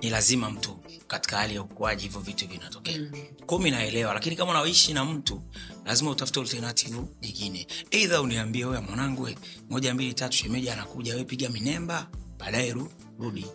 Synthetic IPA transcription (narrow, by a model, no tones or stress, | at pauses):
nilazimam̩tu | kati̥kahalijaukuaʄihivɔvituvinatɔkɛa | kuminaɛlɛwalakinikamaunaɔiʃinam̩tulazimautafu̥tɛɔltɛɾnatʰivuɲiŋɡinɛɛðauniambiɛujamwanaŋɡwɛ | mɔʄambilitatu̥ʃɛmɛʄaanakuʄawɛpiɡaminɛmbaɓaːɗaɛɾu | ɾuɗi